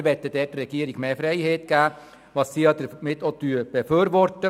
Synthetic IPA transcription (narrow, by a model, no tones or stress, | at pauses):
ɾʋɛtːəd̥ɛtrɛɡ̥iəɾɪɡmeːfɾeɪheːtɡ̥æː | ʋɑssiːjɑdəmɪtːotyːb̥ɛfyːɾʋɔɾtə